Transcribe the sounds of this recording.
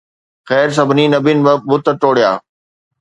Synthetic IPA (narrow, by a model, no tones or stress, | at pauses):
xɛːɾs̬ɐbʱninɐbinbə̃ɓʊt̪əʈoːɽ̤ijaː